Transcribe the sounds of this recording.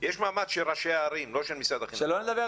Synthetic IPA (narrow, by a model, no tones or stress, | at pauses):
jeʃmaːmadʃelʁaʃeaːɾimloʃelmisad̪aχiʃeloned̪abe